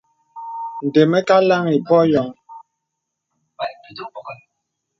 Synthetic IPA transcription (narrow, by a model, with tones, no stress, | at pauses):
n̩˨de˨mɛ˦ka˦la˦ŋi˨pɔ˦jɔ˨˦ŋ